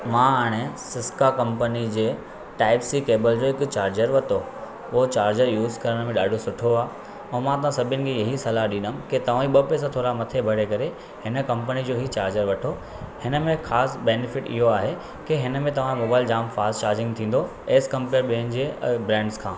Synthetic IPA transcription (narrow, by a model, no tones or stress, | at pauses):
mãɐɽ̃ẽsɪskakɐ̃mpənid͡ʑeː | ʈaːɪpsikeːbəld͡ʑoːɪkt͡ɕaːɾd͡ʑəɾʋɐt̪o | ʊɦot͡ɕaːɾd͡ʑəɾjuːzkɐɾəɽ̃mẽɗaːɖʱosʊʈʰoaː | ɛ̃ːmãt̪̬ɐʋãsɐbʱənɪ̆kʰẽjɐɦisɐlaɦɗĩnəmket̪ɐʋ̤ãiɓɐpes̬ãt̪ʰoːɾamɐt̪ʰebʱɐɽ̤ekɐɾe | hɪnə̆kɐ̃mpənid͡ʑoːɦit͡ɕaːɾd͡ʑəɾʋɐʈʰo | hɪnəmẽxaːsbeːnɪfɪʈɪ̰ɦoaːɦe | keɦɪnəmẽt̪ɐʋ̤ãmoːbaːɪld͡ʑaːmfaːst͡ɕaːɾd͡ʑɪ̃ŋɡt̪ʰĩːn̆d̪o | eːskɐ̃mpeːɾɓiɦənɪ̆d͡ʑeːbɾɛ̃ːɳɖskʰãː